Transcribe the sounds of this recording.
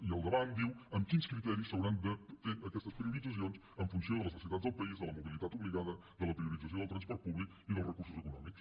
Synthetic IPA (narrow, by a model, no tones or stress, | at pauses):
iəlˠd̪əβand̪iwəmkinskɾit̪ɛɾisːəwɾand̪əfeɾəkɛst̪əspɾiuɾid͡zəs̬ions | əɱfunsjoðələsəsiət̪at̪d̪əlˠpəizðələmuβilˠit̪at̪uβliɣaðə | ðələpɾiuɾidd͡zəs̬od̪əlˠt̪ɾɐnspɔɾt̪̚puβlik | iðəlˠzrəkuɾsuzəkunɔ̰miks